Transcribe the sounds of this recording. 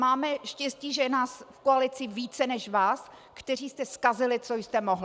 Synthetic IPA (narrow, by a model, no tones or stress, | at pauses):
maːmɛʃcɛsciːʒɛjɛnaːsfkoalɪt͡sɪviːt͡sɛnɛʃvaːs | kt̪ɛr̝iːst̪ɛskazɪlɪt͡sojst̪ɛmoɦl